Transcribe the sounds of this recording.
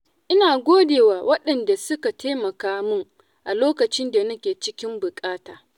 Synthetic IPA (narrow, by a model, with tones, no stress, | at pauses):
ʔɪ˦naː˨ɡʷoː˦deː˨waː˨wɐ˦ɗɐ˨nda˨sʊ˦ka˨tʰeː˦mɐ˨kaː˦mʊ˦ŋ | ʔa˨loː˦kɐ˨t͡ʃɪ˦nda˨nɐ˦kʲeː˨t͡ʃɪ˦kʲɪ˦mbʊ˨kʼaː˦taː˨